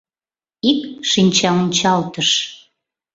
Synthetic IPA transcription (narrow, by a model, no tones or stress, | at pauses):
ikʃinʲt͡ɕɑunʲt͡ɕɑlt̪əʃ